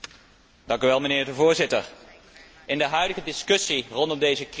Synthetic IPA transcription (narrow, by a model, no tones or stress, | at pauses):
d̥ɑŋkyʋɛlˠmənɪːɹdəvʊːɹzɪtə̰ɹ | ɪndəɦœɥdəɣədɪskɵsirɔndɔmdejzək